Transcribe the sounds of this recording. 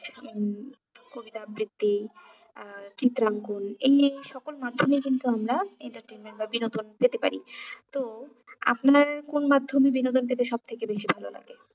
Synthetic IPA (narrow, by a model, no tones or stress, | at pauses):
kobit̪abɾid̪ːi | t͡ɕit̪ːɾaŋkonejʃɔkolmad̪ʱːomekint̪uamɾaeɳʈaɾʈenmeɳʈ̚babinod̪onpet̪epa̰ɾḭt̪o | a̰pnaɾkonmad̪ʱːomibinod̪onp̬et̪eʃɔb̚t̪ʰekebeʃibʱalo̰la̰ɡe